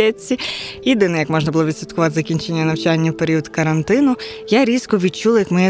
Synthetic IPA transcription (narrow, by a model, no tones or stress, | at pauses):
ɛt͡sʲːijid̪ɪnɛjɐkmɔʒnɐbʊlˠɔʋʲid̪sʲit̪kʊʋɑt̪ezɐkʲinʲt͡ʃe̞nʲːɐnɐwt͡ʃanʲːɐwpeɾʲiɔd̪kɐɾɐnt̪ɪnʊjaɾʲiskɔʋʲid̪̚t͡ʃulˠjɐkmɔjɛ